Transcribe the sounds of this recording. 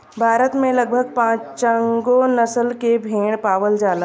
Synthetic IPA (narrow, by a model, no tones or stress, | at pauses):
bʱaːɾət̪mẽləɡ̚bʱəɡ̚pãːt͡ʃt͡ʃəŋɡonəsəlkebʱeːɽ̃paːʋəld͡ʒaːlə